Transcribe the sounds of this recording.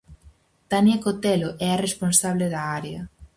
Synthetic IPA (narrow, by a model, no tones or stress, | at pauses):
t̪anjakot̪ɛloʔɛɐresponsaβleðɐaɾeɐ